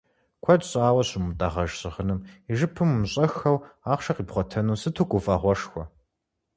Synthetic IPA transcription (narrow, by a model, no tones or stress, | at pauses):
kʷʰɐdɕʼaːwɐɕʊmutʼaːʁɐʒɕɨʁənɨmiʒɨpʰɨmmɕʼɐxɐwaːχʷʃɐqiːpχʷɔtʰɐnuːsɨtʰukʷʼʊfʼɐʁʷɔʂxʷɔ